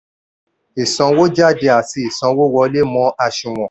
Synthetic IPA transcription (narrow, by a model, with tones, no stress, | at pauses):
i˨sɔ̃˨˧wo˦d͡ʒa˦˨de˧a˨ti˧i˨sɔ̃˧˦wo˦wɔ˧˦le˦mɔ̃˨˦a˧ʃũ˨w̃ɔ̃˨